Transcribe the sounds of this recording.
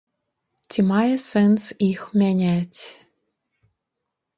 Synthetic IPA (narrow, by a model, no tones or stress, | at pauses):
t̪ʲimɑjɤ̆sensixmʲænʲæt̪ʲ